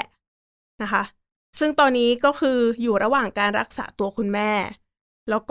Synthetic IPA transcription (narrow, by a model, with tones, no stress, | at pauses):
na˦˥kʰa˦˥ʔ | sɯ˥˩ŋt̪ɔː˧nːiː˦˥kɔː˥˩xʰɯː˧juː˨˩ɾa˧waː˨˩ŋkaː˧nɾa˦˥k̚sa̰ː˩˦t̪u˧ɐkʰu˧nmɛː˥˩ | lɛː˦˥wkː